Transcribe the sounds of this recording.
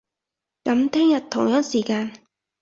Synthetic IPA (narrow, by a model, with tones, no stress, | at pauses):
kɐ˨˥mt̪ʰɛː˥ŋjɐ˨t̚t̪ʰʊ˨˩ŋjœː˥ŋsiː˨˩kaː˧n